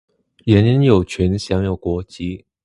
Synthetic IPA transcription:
jɛ˧˥˦njə˧˦njo˨˩ʊt͡ɕʰɥɛ˧˥nɕjɑ˧˥˦ŋjo˨˩ʊkwɔ˧˥t͡ɕi˧˥˦

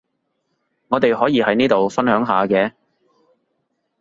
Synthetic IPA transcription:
ŋɔː˨˧t̪e˨jɦɔː˨˥jiː˨˧hɐ˨˥jniː˥t̪o˨wfɐ˥nhœː˨˥ŋɦaː˨˧kɛː˧

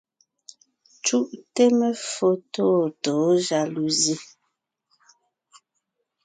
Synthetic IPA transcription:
t͡ʃu˦ʔte˦mə˦fo˦to˦˨to˨˦ʒa˨lu˨zi˦

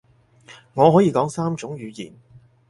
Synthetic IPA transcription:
ŋɔː˨˧ɦɔː˨˥jiː˨˧˥kɔː˨˥ŋsaː˥mt͡ʃʊ˨˥ŋjyː˨˧jḭː˨˩n

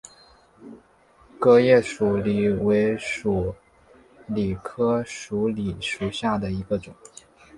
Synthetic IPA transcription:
kɤ˥jɛ˥˩ʂu˨˩li˨˩we˧˥ɪʂu˨˩ | li˨˩kʰɤ˥ʂu˧˥li˨˩ʂu˨˩ɕja˥˩d̪ə˩i˧˥ɡə˧ʈ͡ʂʊ˨˩˦

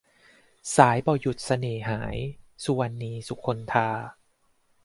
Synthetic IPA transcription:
saː˩˦jbɔː˨˩ju˨˩t̪̚sa˧neː˨˩ɦaː˩˦jsu˧wa˧nːiː˧su˦kʰo˧nt̪ʰaː˧

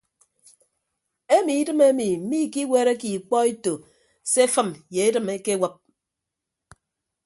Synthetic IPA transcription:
e˦mi˨i˦dɨ˦me˦mi˨m̩˦mi˦˨ki˦we˦ɾe˦ki˨k͡pɔ˦e˦to˨ | se˦fɨ˦˨mje˨e˦dɨ˨me˦ke˦wə˦p̚

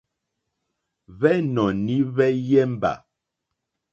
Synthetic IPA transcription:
βɛ˦nɔ˨ni˦βɛ˦jɛ˦m̩˦ba̰˨

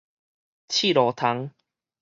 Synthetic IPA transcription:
t͡ɕʰi˥˨ɾɔ˨t̪ʰa˧˦ŋ

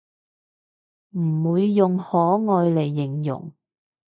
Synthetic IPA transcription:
m̩˨˩wuː˨˧jːʊ˨ŋhɔː˨˥ŋɔː˨jle˨˩jːɪ˨˩ŋjʊ̰˨˩ŋ

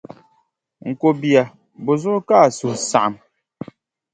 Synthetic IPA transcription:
ŋ̩˨ko˨bja˨ | bo˨zo˦ka˦˨su˨sa̰˨m

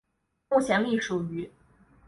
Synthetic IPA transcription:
u˥˩ɕʰjɛ˧˥nli˥˩ʂu˨˩y˧˥

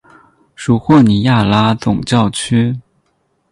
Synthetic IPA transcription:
ʂu˨˩xwɔ˥˩ni˨˩˥ja˥˩la˥t͡sʊ˨˩ŋt͡ɕjɑ˥˩ʊt͡ɕʰy˥

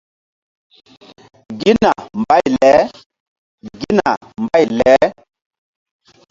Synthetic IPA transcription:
ɡi˦na˨mba˦jlɛ˨˦ | ɡi˦na˨ | mba˦jlɛ˨˦

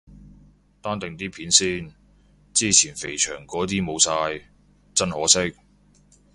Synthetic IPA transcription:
t̪aː˥nt̪ɪ˨ŋt̪iː˥pʰiː˨˥nsiː˥n | t͡siː˥˩t͡sʰiː˨˩nfe˨˩jt͡ʃʰœː˨˩ŋkɔː˨˥t̪̬iː˥mo˨˧wsaː˧j | t͡sɐ˥nhɔː˨˥sɪ˥k̚

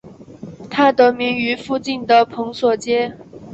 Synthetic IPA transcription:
t̪ʰa˥t̪ɤ˧˥mi˧˥ŋy˧˥fu˥˧t͡ɕi˥˩nd̪ə˨˩pʰɤ˧˥ŋswɔ˨˩t͡ɕjɛ˥

